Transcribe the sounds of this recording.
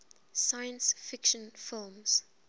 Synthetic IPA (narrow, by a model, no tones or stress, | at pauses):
sajə̃nsfɪkʃə̃nfɪlˠmz̥